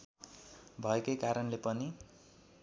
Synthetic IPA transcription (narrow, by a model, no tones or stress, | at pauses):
bʱʌekʌjkaɾʌnlepʌni